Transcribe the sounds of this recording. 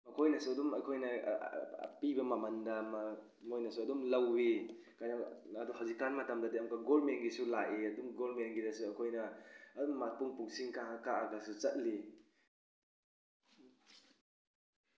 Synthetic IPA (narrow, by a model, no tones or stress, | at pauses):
mɐkʰojnɐsuɐdumɐjkʰojnɐ̰ | pibɐmɐmandɐma | mojnɐsuɐdumlɐwːi | kajnaɐduɦawzikanmɐtamdɐdiɐmkaɡolmenɡisulaʔeɐdumɡolmenɡidɐsuɐkʰojnɐɐdumːat̚puŋpuŋsiŋkaɦakaaɡasut͡ʃɐt̚li